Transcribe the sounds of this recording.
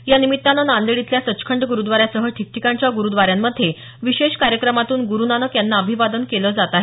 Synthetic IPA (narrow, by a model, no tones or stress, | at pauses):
janimit̪ːanənãnd̪eɽit̪ljasət͡ɕkʰəɳɖɡuɾud̪ʋaɾjasəɦəʈʰik̚ʈikaɲt͡ɕjaɡuɾud̪ʋaɾjamːəd̪ʱːje | ʋiɕeɕkaɾjəkɾəmat̪uːnɡuɾunanəkjanːaəbʱiʋad̪ənkeləd͡zat̪aɦe